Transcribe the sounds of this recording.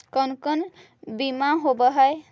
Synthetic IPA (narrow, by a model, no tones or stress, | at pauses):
kənkən | bimaɦobəɦəj